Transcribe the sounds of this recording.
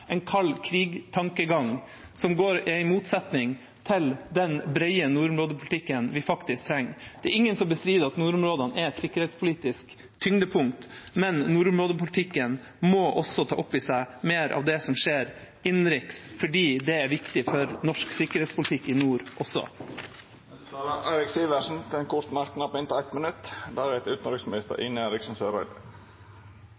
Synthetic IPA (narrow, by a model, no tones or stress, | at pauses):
ɛɪnkʰɑlːkʰɾiːɡt̪ʰɑŋkəɡɑŋ | sɔmɡoːɾɪæɪmuːt̪sɛt̪nɪŋ | t̪ʰɪld̪ɛnbɾɛɪənuːɾʊmɾoːd̪əpʰʊlɪt̪ʰɪkːənʋɪfɑkt̪ɪsk̚t̪ʰɾɛŋːd̪̥ɛæɾɪŋːənsɔmbəst̪ɾiːd̪əɑt̪nuːɾʊmɾoːd̪ɑnɛɾɛt̪sɪkːəɾhɛːt̪spʰʊliːt̪ɪsk | t̪ʰʏŋd̪əpʰʊŋkt̪mɛnnuːɾʊmɾoːd̪əpʊlt̪ʰɪkːən | mɔʔɔsɔt̪ʰɑ̰ːʔɔpːisæɪmeːɾʔɑ̰ʋd̪ɛsɔmʂeːɾ | ɪnɾɪksfɔɖiːd̪ɛæɾʋɪkt̪ɪfɔɾnɔʂksɪkːəɾhɛːt̪spʊlɪt̪ʰɪkːɪnuːɾʔɔsɔ̰ | t̪ɑːləʔæɪɾɪksiːʋæʂn̩t̪ʰɛnkʰʊt̪nɑɾknɑpɪnt̪ʰːɛt̪mənʉt̪ːd̪æːɾhɛt̪ʉːt̪nɾʏksmɪnɪst̪ə̰ɾɪnəeːɾɪksɔn̩søːɾɑɪd̪ə̰